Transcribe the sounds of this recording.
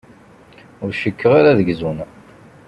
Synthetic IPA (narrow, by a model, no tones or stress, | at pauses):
ʊɾʃəkːəʁaɾaðəɡzun